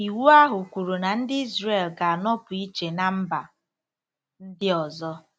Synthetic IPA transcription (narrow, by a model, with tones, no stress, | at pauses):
i˨wu˦a˦ɦʊ˨kʷu˨ɾu˨na˨n̩˦dɪ˦i˦zre˨lɡa˨a˨nɔ˦pʊ˨i˦t͡ʃe˨na˨m̩˦ba˨ | n̩˦dɪ˦ɔ˨zɔ˦